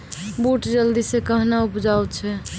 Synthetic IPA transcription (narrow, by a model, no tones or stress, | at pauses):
boʈd͡ʒəld̪isekəɦnaupd͡ʒawt̪t͡ʃʰɛ